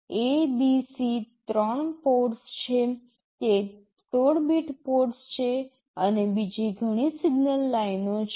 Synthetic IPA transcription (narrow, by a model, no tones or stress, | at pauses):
ebisit̪ɾəɳpoʈst͡ʃʰe | t̪e | t̪oɽbiʈpoʈst͡ʃʰe | ənebid͡ʒiɡʱəɽ̃isiɡnəlːainot͡ʃʰ